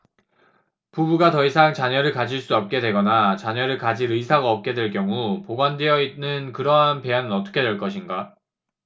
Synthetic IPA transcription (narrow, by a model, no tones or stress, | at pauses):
pubuɡatʌisʰaŋt͡ɕaɲʌɾɯɭkad͡ʑiɭs͈uʌp̚k͈e̞dwe̞ɡʌnat͡ɕaɲʌɾɯɭkad͡ʑiɾɯisʰaɡaʌp̚k͈e̞dwe̞ɭk͈jʌŋupoɡwandeʌinːɯnkɯɾʌɦanpe̞anɯnʌt͈ʌ̥kʰe̞dwe̞ɭk͈ʌɕʰinɡa